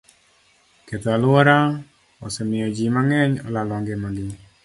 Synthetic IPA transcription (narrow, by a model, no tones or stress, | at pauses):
ket̪ɔalwɔɾa | ɔsɛmɪɔd͡ʒimaŋɛɲɔlalɔŋɡɪmaɡɪ